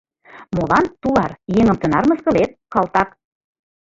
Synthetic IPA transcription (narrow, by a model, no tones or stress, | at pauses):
molɑnt̪ulɑrjeŋə̆mt̪ə̆nɑrmə̆skɤ̆let̪̚kɑlt̪ɑk